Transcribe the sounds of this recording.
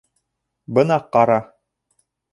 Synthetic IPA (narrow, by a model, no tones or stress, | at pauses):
bɤnɑqːɑɾɑ